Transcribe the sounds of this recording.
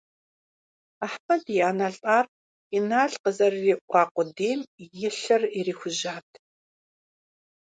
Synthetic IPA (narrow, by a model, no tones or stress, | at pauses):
aħpʰɐdjaːnaːɬʼaːr | inaːɮqəzɐrːiːʔʷɑːqʷʊdeːmjɪɬɐririːxʷʊʑaːtʰ